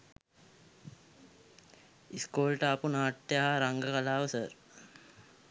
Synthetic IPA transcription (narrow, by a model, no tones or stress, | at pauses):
iskoːlʈəapunaːʈːejaɦaɾaŋɡəkalaːʋəsəɾ